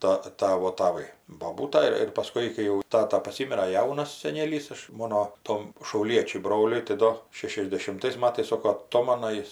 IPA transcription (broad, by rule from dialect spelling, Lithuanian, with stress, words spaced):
tɐ ˈtɑːʋoː tɐˈʋɐɪ boːˈbuːtɐ ɪr ɪr pɐˈskʊɪ kɐɪ ˈjɛʊ ˈtɑːtɐ pɐˈsʲiːmʲɪrɐ ˈjɛʊnɐs sʲɛˈnʲeːlʲiːs ˈɐʃ ˈmoːnoː ˈtoːm ʃɐʊˈlʲiɛt͡ʃʲʊɪ ˈbroːlʲʊɪ tɐɪ ˈdoː ʃʲɛʃʲɛzʲdʲɛʃʲɪmˈtɐɪs ˈmɑːtɐɪs ˈsoːkoː ɐˈtoːmɐnɐ ˈjɪs